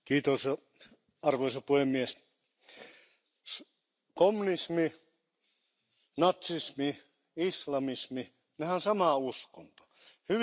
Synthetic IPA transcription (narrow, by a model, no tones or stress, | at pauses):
kiːt̪osɑ | ɑrʋoisɑpuhemːies | s | komːunismi | nɑt̪sismi | islɑmismi | nehænsɑmɑˑuskont̪o̥ | hyʋ